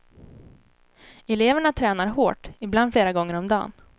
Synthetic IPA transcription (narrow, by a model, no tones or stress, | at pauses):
ɛleːvəɳat̪ʰɾɛːnaɾɦoːʈɪbland̪fleːɾaɡɔŋːəɾɔmd̪ɑ̰ːn